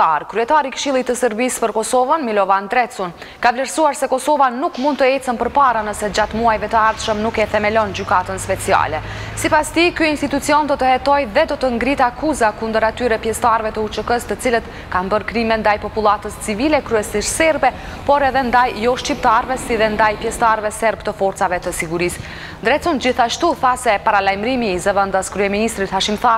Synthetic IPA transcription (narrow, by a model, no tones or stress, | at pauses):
aɾkɾyɛt̪aɾikəʃilˠit̪ːəsəɾbispəɾkɔsɔvənmilɔvand̪ɾɛt͡sun | kavlɛɾsuaɾsɛkɔsɔvanukmund̪̚t̪əɛt͡sənpəɾpaɾanəsɛd͡ʑat̪muajvɛt̪əaɾt̪ʃəmnukɛθɛmɛlɔnd͡ʑykat̪ənspɛt͡sia̰lɛ | sipast̪ikyinst̪it̪ut͡siɔnd̪ɔt̪əhɛt̪ɔjðɛd̪ɔt̪əŋɡɾit̪akuzakund̪əɾat̪yɾɛpjɛst̪aɾvɛt̪əut͡ʃəkəst̪ət͡silət̪ | kanbəɾkɾimɛnd̪ajpɔpulˠat̪əst͡sivilɛkɾyɛsiʃsɛɾbɛ | pɔɾɛðɛnd̪ajːɔʃt͡ɕip̚t̪aɾvɛsiðɛnd̪ajpjɛst̪aɾvɛsɛɾbt̪əfɔɾt̪t͡savɛt̪əsiɡuɾis | nd̪ɾɛt͡sund͡ʑiθaʃt̪uθasɛpaɾalajmɾimiːzəvənd̪askɾyɛminist̪ɾit̪haʃimθa